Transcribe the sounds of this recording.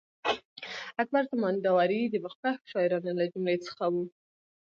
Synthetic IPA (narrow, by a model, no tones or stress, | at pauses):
ak̚baɾt̪amɑnd̪awaɾid̪əbaxpaxʃɑjɾɑnalad͡ʒʊmlet͡sə̥xawu